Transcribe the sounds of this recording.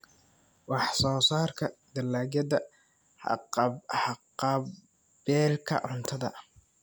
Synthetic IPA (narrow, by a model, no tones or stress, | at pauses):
wɑħsɔːsaːrkʰɐd̪ɐlaːɡjɐðɐ | ħɑqɑ | bɛːlkʰɐ̰ʕʊnt̪ʰɐðɐ̰